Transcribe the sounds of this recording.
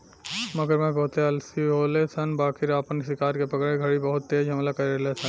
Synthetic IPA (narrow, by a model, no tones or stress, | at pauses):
mɐɡəɾmẽbɐɦʊt̪eɐlsiɦoːlesɐnbaːkʰɪɾaːpənsɪkaːɾkepɐkɭẽɡʱɐɽibɐɦʊt̪ːeːd͡ʒɦɐmlakɐɾelesʰə̃n